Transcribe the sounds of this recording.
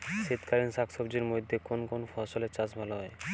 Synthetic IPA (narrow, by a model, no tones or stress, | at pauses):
ʃit̪kʰaɾinsaksobd͡ʑiɾmojd̪ʱːekonkonfɔʃolet͡ɕad͡ʑbʱaloɦɔe